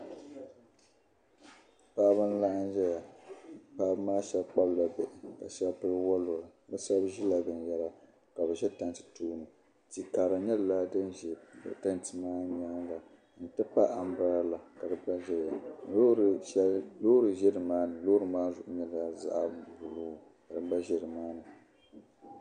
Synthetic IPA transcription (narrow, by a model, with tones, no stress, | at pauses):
paː˦bɨ˦n̩˦la˦ʔa˦n˦ʒɛ˦ja˨paː˨˦bmaː˦ʃɛ˦lk͡pa˦bla˨bɛ˨ʔɪ˨ka̰˨ʃɛ˦lpɨ˦wɔ˦lo˨ɾɨ˨bɨ˦sa˦bʒi˦la˨bɨ˨n˨jɛ˦ɾa˨ | ka˨bɛ˨ʒɛ˦ta˦ntɨ̥˨tuː˦nɨ˨ | ti˨kaː˨ɾa˨ɲɛ˦lla˦dɨ˦n̰˨ta˦nti˨maː˦ɲ˨a˦nla˨ | n̩˨tɨ˦pa˦ʔa˨m˦ba˦ɾa˦la˨ka˨dɨ˨ba˦ʒɛ˦˨ja˨n˨lo˦ɾɨ˨ʃɛ˦lloː˦ɾɨ˨ʒɛ˦dɨ˨maː˦nɨ˨loː˦ɾɨ˨˦maː˦zʊ˨ʔʊ˦ɲɛ˦la˨za̰˦ʔbu˨lu˦˨ | ka˨dɨ˦ba˦ʒɛ˨ɾɨ˨maː˦nɨ˨